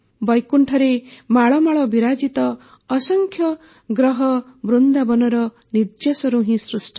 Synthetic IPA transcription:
bɔjkuɳʈʰɔɾemaɭɔmaɭɔbiɾad͡ʒit̪ɔː | sɔŋkʰjɔ | ɡɾɔɦɔbɾund̪abɔnɔɾɔ | niɾd͡ʒjasɔɾuɦĩsɾusʈʰɔ̥

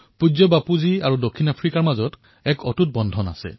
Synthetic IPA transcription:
pud͡ʒɔbapuziaɹudokʰːinapʰɹikaɹmazɔt | ɛkɔtut̚bɔndʱɔna̰sɛ̰

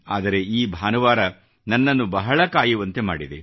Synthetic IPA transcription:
aːd̪ɐɾe̞iːbʱaːnɐʋaːɾɐ | nɐnːɐnːubɐɦɐɭɐkaːjiʋɐnt̪e̞ma̰ːɽid̪e

